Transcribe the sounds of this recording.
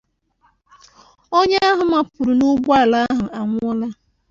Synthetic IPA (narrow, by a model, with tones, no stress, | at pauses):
o˦ɲe˦a˦ɦʊ˨ma˨pʊ˨ɾʊ˨nu˦ɡ͡ba˦˨la˦ɦʊ˨a˨ŋʷ˦ɔ˦la˦